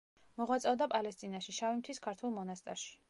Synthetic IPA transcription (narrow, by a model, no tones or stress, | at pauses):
mɔʁwat̪sʼɛwd̪apʼalɛst̪ʼinaʃiʃavimt̪ʰwiskʰaɾt̪ʰwulˠmɔnast̪ʼa̰ɾʃi̥